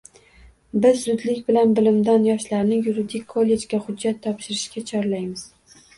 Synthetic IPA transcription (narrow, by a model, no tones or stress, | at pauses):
bɪzːʊd̪lɪkʲbɪlanbɪlɪmd̪anjɒʃlaɾnɪjuɾɪd̪ɪkʲʰːolʲːe̞d͡ʒɡʲahʊd͡ʒːat̪ʰːɒpʃɪɾɪʃkʲat͡ʃʰɒɾlajmɪz̥